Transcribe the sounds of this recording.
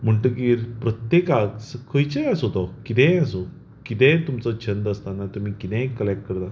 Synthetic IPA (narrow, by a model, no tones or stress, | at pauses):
m̤əɳʈəkiɾpɾət̪jekakskʰəjt͡ɕeəsot̪ɔkit̪ɛ̃əso | kit̪ɛ̃t̪umt͡sət͡ɕʰənd̪əst̪anat̪um̤iːkit̪ɛ̃ekːəlek̚ʈ̚kəɾt̪a